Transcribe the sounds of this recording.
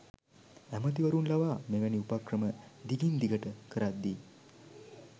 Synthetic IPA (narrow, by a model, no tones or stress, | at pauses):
æmət̪iʋəɾunlaʋaːmeːʋɛniupakrəməd̪iɡind̪iɡəʈəkəɾat̪̚d̪i